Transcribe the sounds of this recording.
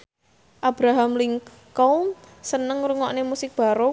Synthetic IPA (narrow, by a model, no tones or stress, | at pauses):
ʔab̥ɾaɦamliŋ | kɔ | sənəŋɾuŋɔʔnemusɪk̚b̥a̤ɾo